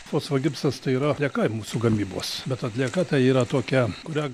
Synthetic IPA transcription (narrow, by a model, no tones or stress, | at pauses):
t̪oːsʋɐɡʲɪpsɐst̪ɐɪiːɾɐlʲiɛkɐɪmuːsuɡɐmʲiːbo̰ːsbʲɛt̪ɐt̪ʲlʲiɛkɐt̪ɐɪiːɾɐt̪oːkʲɛkʊɾʲæ